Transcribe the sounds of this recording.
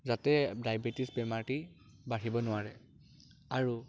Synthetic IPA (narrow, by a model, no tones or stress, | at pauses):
zatɛdajbetisbɛmati | baɹibɔnʊwaɹɛ | aɹu